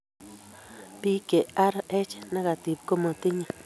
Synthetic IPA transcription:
pi˦ke˨ʔa˦ɾa˧ʔe˦t͡ʃe̥˧nã˦ɣa˨t̪i˨bko˦mõ˧t̪i˦ɲã˧

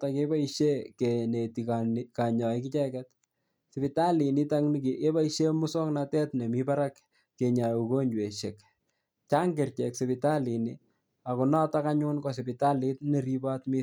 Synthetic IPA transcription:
ta˨ke˦ba˦iʃe˦ke˨ne˨ti˨kaka˨ɲɔ˨ikɪ˦t͡ʃɛkɛt | sɪ˨bɪta˦li˨nɪ˦taŋnki˨e˦ba˦iʃe˦mʊ˦sɔ˦knatɛ˦tne˨miba˦ɾa˦kː | e˨ɲa˨u˨ko˦ɲd͡ʒwe˨ʃe˨k | t͡ʃa˦ŋɡe˨rt͡ʃɛ˨kse˨pɪta˦li˨nɪ | a˨kʊ˨nɔ˦ta˦ka˦ɲʊ˦nkɔ˨s̬ɪ˨pɪ˨ta˦lɪ˦t̚ne˦ɾi˦ba˦tmɪ˦

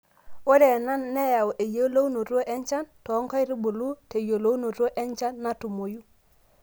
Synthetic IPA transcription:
o˦ɾe˨na˦nːe˦ja˨wʔe˨jo˦lo˦wno˨ɾo˦ʔɛ˦ɲt͡ʃa˦ntɔ˨˦ŋkɔ˦jɾi˦bo˨lu˦te˨jo˨lo˦no˨ɾo˦ʔɛ˦ɲt͡ʃa˦nːa˦tu˨mo˨ju˦

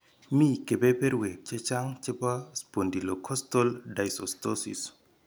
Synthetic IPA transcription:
mi˦ke˨bɛ˦pɛ˦ɾwe˨k̚t͡ʃɛ˦t͡ʃa˦ŋt͡ʃɛ˦pa˦spo˨ndi˨lo˨kʰɔ˦stɔ˦lda˨jsɔ˨stɔ˦sḭ˨s

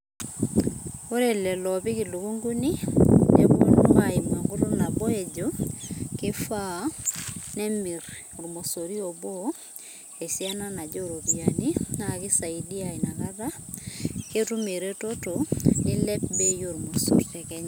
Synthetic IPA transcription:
o˦ɾelɛ˨lɔpi˦kilu˨ku˦ŋɡu˦ni˦neku˦o˨numa˨ima˨ŋɡo˦tona˨bɔ˦ed͡ʒoke˦fa˦ | nɛ˦mi˨ɾoɾmo˨so˨ɾiobo | e˨sia˦na˦na˨d͡ʒo˦ɾopiani˦naki˦sa˨idi˦aina˨ka˦ta˦ | ketu˦meɾe˦totoni˦lɛ˦pbe˦jo˨ɾmo˨so̰ɾtɛ˨kɛɲa˨

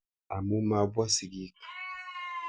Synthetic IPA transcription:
a˨mu˦ma˨ba˦si˨ɡi˦k

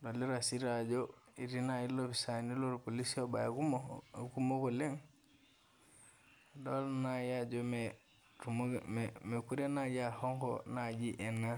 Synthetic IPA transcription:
do˨li˦ɾasi˦ɾad͡ʒo˦i˨ɾi˦nai˦lopi˨sa˨ni˦lo˦ɾpo˨li˦si˦oba˨ja˨ku˦moku˦mo˦ko˨le˦ŋ | do˦lnaja˦d͡ʒome | ɾumme˨ku˦ɾe˦na˦d͡ʒaho˦ŋko̰na˨d͡ʒi˦ʔe˨na

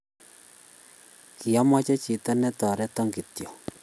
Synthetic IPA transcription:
ki˨a˦ma˦t͡ʃɛ˦t͡ʃi˨ta˦nɛ˦t̪ɔ˨ɾɛ˦tɔ˦ŋɡi˨t̪jɔ˨

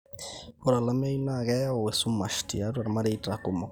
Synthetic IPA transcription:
ɔ˦ɾa˨la˦me˦i˦na˦˨ɡɛ˦ɔ˨we˨su˦ma˨ʃtḭ˨a˦ɾu˦a˨ɾma˦ɾe˦ta˨ku˨mɔ˨

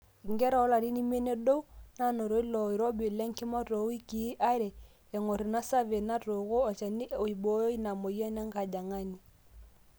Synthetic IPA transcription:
ŋɡɛ˦ɾa˨ɔ˦la˨ɾi˦ni˦mɛ˦nɛ˦do˦u˦na˦nɔ˨ɾo˨˦i˦lɔ˨i˨ɾɔ˦bi˨lɛ˦ŋki˦mɔ˦tɔ˨˦wi˦ki˨˦ʔa˦ɾɛ˨ | ɛ˨ŋɔ˨ɾi˨na˦sa˦βe˨na˦to˨ɣo˦ɔ˨t͡ʃa˨ni˦o˨i˨bɔ˦ji˦na˨mo˨jɛ˦nɛ˦ŋ˦ɡa˨d͡ʒa˨ŋa˦ni˨

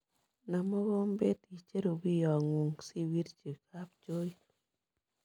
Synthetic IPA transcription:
na˨mɔ˦ɣo˦mbe˦ti˨t͡ʃe˦ɾo˨wi˦jɔ˨ŋu˨ŋsi˦wi˦ɾt͡ʃe˨ka˦p̚t͡ʃo˦j

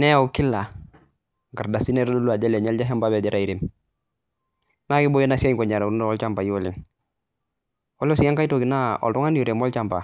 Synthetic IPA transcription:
nɛ˦a˦˨wki˦lːa˨ | ɡa˨ɾda˨si˦ne˦ɾlo˦lu˦a˨d͡ʒe˦le˨ɲɛ˦ld͡ʒa˦ɦa˦mba˦bɛ˨d͡ʒɛ˦ɾa˨i˨ɾim | na˦kɪ˦bo˦je˦na˦si˦a˦ɲkɔ˨ɲa˨ɾa˨uɾundo˨ɔ˦lt͡ʃa˦mba˨ji˦wo˦lḭ˨ŋ | wo˦lo˦si˦a˦ŋka˦ito˨ki˨na˦ɔ̰˨ltɔ˦ŋa˦ni˦u˨ɾe˨mɔ˦lt͡ʃa˦mba̰˨

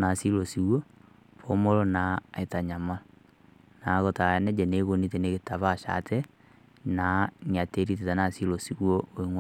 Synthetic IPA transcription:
na˨si˦lo˨si˨wo˦ | pomo˦ɾo˦na˨e˨ta˨ɲa˨ma˦ | na˨ɣo˨ta˨˦nɛ˦d͡ʒɛ˨ne˨ɣo˨nitɛ˨ne˦ɣe˨ta˨βa˦ʃa̰˨tʰɛ˦ | na˨ŋi˨a˨te˦ɾi˦t̬e˨ta˨na˨si˦lo˨si˨woo˦i˦ŋwa

